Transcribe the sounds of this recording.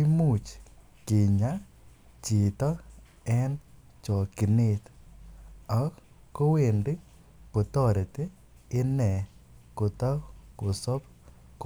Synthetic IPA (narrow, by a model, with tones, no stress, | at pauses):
i˦mu˨t͡ʃ | ke˨ɲa˦ | t͡ʃɪ˨t̪ɔ˦ | ɛ˦n | t͡ʃɔ˨ki˨ne˦t̪ | ɔ˨k | ko˦we˨ndi˦ | po˨t̪ɔ˦ɾt̪eː˦ | nɛ˨ko˨t̪ɔ˦ko˨sɔ˦p | k